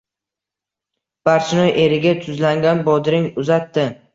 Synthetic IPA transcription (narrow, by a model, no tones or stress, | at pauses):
b̥aɾt͡ʃʰɪnɒjʔe̞ɾɪɡʲat̪ʰʊzlaŋɡʲanbɒd̪ɪɾɪŋʊzat̪ːɪ